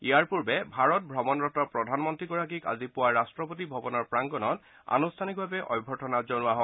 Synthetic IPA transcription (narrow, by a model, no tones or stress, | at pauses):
iaɹpuɹbɛbʱaɹɔt̚bʱɹɔmɔnɹɔtɔpɹɔdʱanmɔntɹiɡɔɹak̬ika̰zipʊwaɹastɹɔpot̬ibʱɔbɔnɔɹpɹaŋɡɔnɔt | a̰nustʰanik̚bʱabɛʔɔ̰jbʱɔtɔnazɔnʊaɦɔ